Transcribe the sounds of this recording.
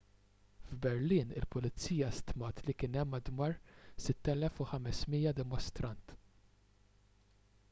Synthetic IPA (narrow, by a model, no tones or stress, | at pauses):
vbɛɾliːnɪlpʊlɪt͡sːiːjɐst̪mɐːt̪likɪːnɛmːɐd̪mɐːɾsɪt̪ːɛlɛfuħɐmɛsmiːjɐd̪ɛmɔst̪ɾɐnt̪